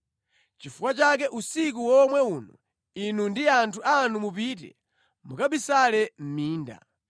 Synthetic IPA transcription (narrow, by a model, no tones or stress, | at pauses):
t͡ʃifukwat͡ʃakɛʔusikuwɔmwɛuːnɔ | inundiantʰuanumupitɛ̰ | mukaɓisalɛm̩miːnda̰